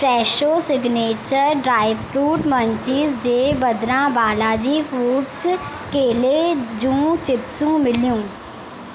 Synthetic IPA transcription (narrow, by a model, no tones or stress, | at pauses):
pʰɾɛːʃoːsɪɡneːt͡ʃəɾɖɾaːɪʋpʰɾuːʈməɲt͡ʃɪːzd͡ʒeːbəd̪ɾãːbaːlaːd͡ʒiːfʰuːʈs | keːleːd͡ʒũːt͡ʃɪpsũːmɪljũː